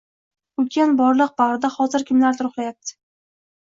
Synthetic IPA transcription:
ʊkʲʰanbɒɾlˠɨq̚baʁɾɪd̪aχɒzɪɾkʲʰɪmlaɾt̪ʰʊɾʊχlˠajap̚t̪ʰɪ̥

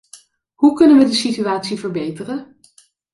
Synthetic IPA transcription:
ɦukɵnənʋədəsityaːtsivəɹbejtərən

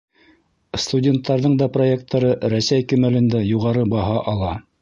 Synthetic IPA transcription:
st̪udʲe̞nt̪ːɑɾðɤɴd̪ɑproe̞k̚t̪ʰːɑɾɤɾæsæjkɵ̆mælɘ̆nd̪æjuʁɑɾɤbɑɦɑʔɑlˠɑ

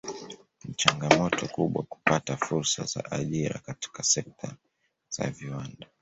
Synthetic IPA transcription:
nit͡ʃaŋɡamɔtɔkuɓwa̰ku̥patafuɾsaza̰ʔaʄiɾa̰kati̥kasɛk̚tʰa | z̥a̰viwanda

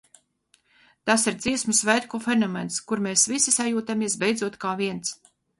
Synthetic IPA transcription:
t̪asiɾd̪z̥iɛsmusvɛjt̪kɔfenɔmɛnskuɾmeːsvisisajuːt̪amiɛsbɛjd̪zuɔt̪kaːviɛnt̪s

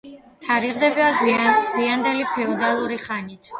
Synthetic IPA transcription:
t̪ʰaɾiʁd̪ɛbiaɡɡwiand̪ɛlipʰɛɔd̪alˠuɾiχanit̪ʰ

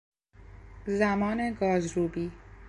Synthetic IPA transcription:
zæmɒːneɡɒːzɾuːbiː

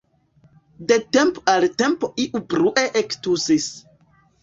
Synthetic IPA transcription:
dete̞mpoalte̞mpoʔiʔubɾuʔeʔektusis

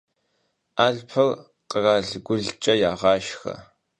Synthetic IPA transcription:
aːɮpʰɐl | qərɑːɮɡʷʊɮt͡ʃʼɐjaːʁɑːʃxɐ̰

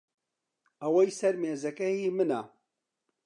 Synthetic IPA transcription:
ɐwɐjsɐɾmeːzɐkɐjimɨnɐ

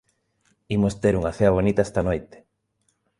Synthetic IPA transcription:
imost̪eɾuŋɐθeɐβ̞onit̪aest̪ɐnojt̪e̥

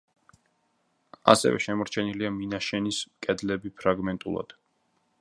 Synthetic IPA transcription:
a̰sɛ̰vɛ̰ʃɛmɔɾt͡ʃʰɛniliaminaʃɛnismkʼɛd̪lɛbipʰɾaɡmɛnt̪ʼṵlˠa̰d̪̥

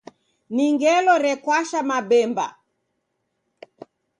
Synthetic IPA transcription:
niŋɡɛlɔɾɛkwaʃamaɓɛmba̰

